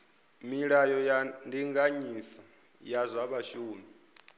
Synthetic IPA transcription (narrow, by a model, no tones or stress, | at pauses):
miɺajɔjandiŋɡaɲisa | jazʷaβaʃuːni